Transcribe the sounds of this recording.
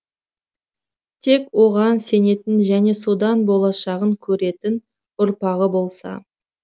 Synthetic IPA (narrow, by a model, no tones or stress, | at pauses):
t̪ʰe̞kwo̞ʁɑnse̞ne̞t̪ɪnʒæne̞so̞d̪ɑnbo̞lˠɑʃɑʁəŋkʲʰɵɾe̞t̪ɪn | ʊɾpɑʁəbo̞lˠsɑ̰